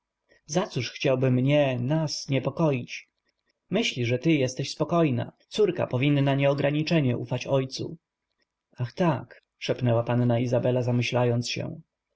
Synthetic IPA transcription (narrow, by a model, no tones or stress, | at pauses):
zat̪suʂxt͡ɕawbɘmːɲɛnasɲɛpɔkɔjit͡ɕ | mɘɕlʲiʐɛt̪ɘjɛst̪ɛɕspɔkɔjna̰t̪suɾka̰pɔvʲinːaɲɛɔɡɾaɲit͡ʂɛɲɛʔṵfat͡ɕɔjt̪sṵ | axt̪ak | ʂɛpnɛwapanːaizabɛlazamɘɕlajɔnt̪sɕɛ̰